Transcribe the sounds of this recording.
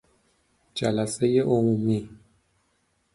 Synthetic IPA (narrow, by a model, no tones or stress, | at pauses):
d͡ʒæ̰læsejeʔomuːmi